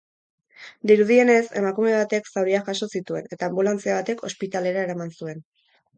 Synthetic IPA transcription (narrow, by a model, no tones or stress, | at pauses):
d̪iɾuð̞ie̞ne̞se̞̰makume̞β̞at̪e̞ksawɾiaxaʃo̞sit̪ue̞ne̞t̪aːmbulant͡siaβ̞at̪e̞kʰo̞spit̪ale̞ɾae̞ɾamansue̞n